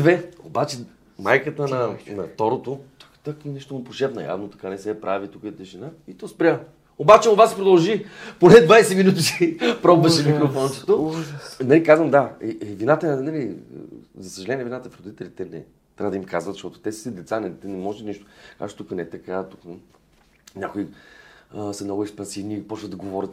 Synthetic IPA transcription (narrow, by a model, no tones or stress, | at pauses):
d̪vɛobat͡ʃɛ | majkət̪ənɐnɐt̪ɔɾot̪ot̪ḁkt̪akinɛʃt̪omopoʃɛpnɐja̰vnot̪ɐ̥kanɛsɛpɾavit̪ukəɛt̪ɛʃinait̪ɔspɾʲja | obat͡ʃɛobasɛ̥pɾod̪ɐlˠʒiponɛd̪vajsɛminut̪t͡ʃipɾɔbvəʃɛmikɾofɔnt͡ʃɛ̥t̪onɐlikazvəmd̪aɛʔɛvinat̪ənɐlḭ | zɐsəʒɐlɛnʲiɛvinat̪əfɾɛɾʊd̪it̪ɛlʲit̪ɛnɛ̰ | t̪ɾʲavəd̪əimkazvət̪zəʃt̪ɔt̪ʊ̥t̪ɛssəd̪ɛt̪sanɛt̪ɛnɛmɔʒɛniʃt̪ʊ̥ka̰t͡ʃt̪ukənɛɛt̪ɐkat̪ukə | nʲakoi | sɐmnɔɡʊɛkspɐnsivnipɔt͡ʃvət̪̚d̪ɐɡovɔɾʲət̪